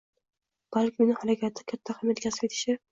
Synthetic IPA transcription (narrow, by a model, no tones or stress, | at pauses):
b̥alkʲʰɪmnɪhaɾakʲʰat̪ʰːakʲʰat̪ʰːaχamat̪kʲʰasɪ̥pet̪ʰɪ̥ʃɪ